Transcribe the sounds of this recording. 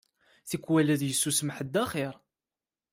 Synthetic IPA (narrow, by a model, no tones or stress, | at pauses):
θikːwælæðjəsːusmħəd̪ːæχɪɾˤ